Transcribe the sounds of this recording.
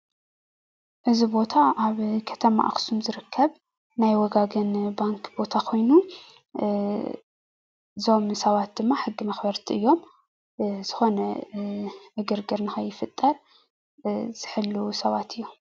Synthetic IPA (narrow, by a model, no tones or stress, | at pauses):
ʔɨzibo̞t̪ʰaʔaβkʰɐ̥t̪ʰɐma̰ʔa̰xsumzɨɾɨkʰːɐβ | najwɔɡaɡɐnbaŋkb̥o̞t̪ʰakʰo̞jnu | zo̞msɐβat̪̚d̪ɨmːaħɨɡːimɐxbɐɾt̪ʰiʔɨjːo̞m | z̥ɨxo̞nɐ | ʕɨɡɨɾɡɨɾnɨxɐjːɪfɨt̪ʼːɐɾ | z̥ɨħɨlːusɐβat̪ʰɨjːu